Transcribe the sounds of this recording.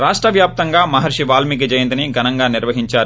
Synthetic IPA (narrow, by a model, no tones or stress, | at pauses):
ɾaːʂʈɾɐʋjaːp̚t̪ɐŋɡaːmɐɦɐɾʂiʋaːlmikid͡ʒɐjɐnd̪ɐniɡʱɐnɐŋɡaːniɾʋɐɦiɲt͡ʃaːɾu